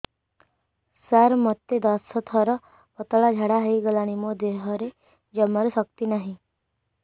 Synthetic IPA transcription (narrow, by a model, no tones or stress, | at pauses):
saɾmət̪ːed̪asət̪ʰɔɾə | pət̪əɭad͡ʒʱaɽaɦəiɡəlañimod̪eɦəɾe | d͡ʒəməɾsək̚t̪inaɦĩ